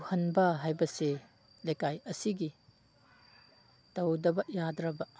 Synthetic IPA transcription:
hɐnbɐɦajbɐse | lekajɐsiɡi | tɐwdɐbɐjadɾɐbɐ

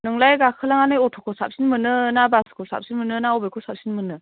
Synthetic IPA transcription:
nɯŋlajɡakʰɯlaŋanɯjɔtʰɔkʰɔsa̰p̚sinmɯnɯnabasɯ̥kʰosa̰p̚sinmɯnɯnaɔbejkʰosap̚sinmɯnɯ

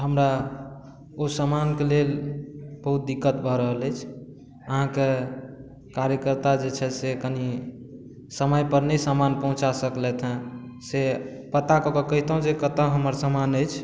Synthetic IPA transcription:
ɦəmɾa | osəmankelelbəɦut̪̚d̪ikːət̪bʱɔɾəɦələjt͡ʃʰ | əɦãke | kaɾjəkəɾt̪ad͡ʒet͡ʃʰɛsekəni | səməjpəɾnəsamanpəɦũt͡ʃasəklɛt̪ʰɦɛ̃se | pət̪akɔkɔkəɦit̪əɦũd͡ʒekət̪ə̃ɦəməɾsəmanəjt͡ʃʰ

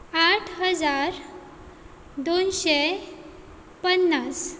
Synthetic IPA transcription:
aʈʰɦəd͡zaɾ | d̪onɕe | pənːas

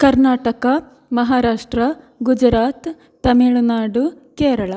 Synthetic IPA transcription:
kɐɾnaːʈɐkɐ | mɐɦaːɾaːʂʈɾɐ | ɡud͡ʒɾaːt̪ː | ɐmeːɭunaːɖu | keːɾɐɭɐ

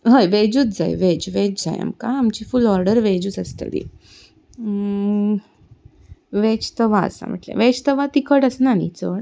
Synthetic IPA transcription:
ɦəjʋed͡ʑuːt̪̚d͡zajʋed͡ʑʋed͡ʒd͡za̰ja̰mkaːmt͡ɕifulɔɾɖəɾʋed͡ʑuːt͡səst̪ə̰d̪ḭ | ʋet͡ɕt̪əʋa̰ːsa̰m̤ə̰ʈlḛ̃ʋed͡ʑt̪əʋat̪ikəʈəsnanḭt͡səɽ

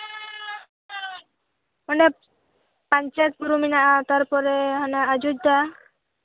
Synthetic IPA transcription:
ɔne | paɲt͡ʃat̪̚puɾuminaʔat̪aɾpɔɾɛɦɔnɛad͡ʒud͡ʒ̚d̪a

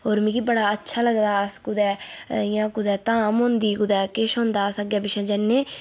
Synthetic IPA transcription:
ɦoːɾmĩːkibəɽaːətːʃʰaːləɡd̪aːəskʊd̪ɛːɪjãːkʊd̪ɛːt̪ãːmɦʊ̃nd̪iːkʊd̪ɛːkɪʃɦõːnd̪aːəsəɡjaːbɪʃɛ̃ːd͡ʒənːeː

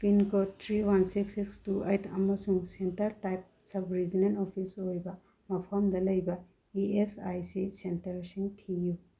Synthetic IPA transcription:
pinkotʰɾiwansiksikstuejtʰɐ̰mɐsuŋsentɐɾtajp̚sɐbɾid͡ʒinentopʰisojbɐ | mɐpʰɐmdɐlɐjbɐ | iesajsisentɐɾsiŋtʰiju

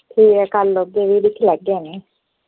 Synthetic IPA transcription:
t̪ʰiːekalːoɡeʋiːd̪ik̪ʰːilɛɡːene

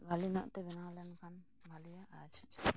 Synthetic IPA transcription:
bʱalinɔ̰ʔt̪ɛbɛnaɦãlɛnkʰan | bʱalijaʔat͡ʃʰt͡ʃʰ

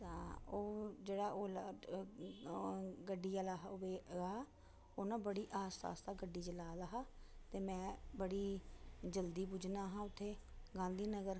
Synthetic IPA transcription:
t̪ãːoːd͡ʒeːɽaːʔoːla | ɡəɖiːaːlaɦʋeːaː | oːnãːbəɽiːʔaːspa̰ːst̪aːɡəɖiːd͡ʒəlaːlaɦaːt̪eːmɛ̃ːbəɽiːd͡ʒəld̪iːp̬ud͡ʒnaːɦãːʊt̪ʰːeːɡãːnd̪iːnəɡəɾ

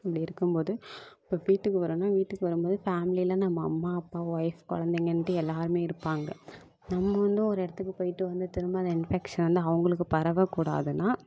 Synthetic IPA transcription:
ɐpːɐɽiɪɾɯkːɯmpoːðɯɪpːoːʋiːʈːɯkːɯʋɐɾonːaːʋiːʈːɯkːɯʋɐɾɯmpoːðɯfaːmɪlilɐ̃nɐmːɐ̰ːmːaːɐpːaːʋɐɪfkɔ̰ɭɐnd̪eŋɡɐnʈːɯɛlːaːɾɯmeːɪɾɯpːaːŋɡɐ | nɐmːɐʋɐnd̪ɯɔɾɛɽɐt̪ːɯkːɯpoːjɪʈːɯʋɐnd̪ɯt̪ɪɾɯmbaːðɐɪnfɛkʂɐnʋɐnd̪ɯɐʋɐŋɡɐɭɯkːɯpɐɾɐʋɐkːuːɽa̰ːðɯnaː

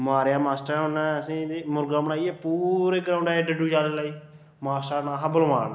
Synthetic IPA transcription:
maːɾjaːmaːsʈɾaɦʊnãːəsĩːd̪eːmʊɾɡãːbəɽaːiɛːpuːɾeːɡəɾãːʊɳɖɛːɖəɖuːd͡ʒaːleːlaːiː | maːsʈaːnaːɦabəlʋaːn

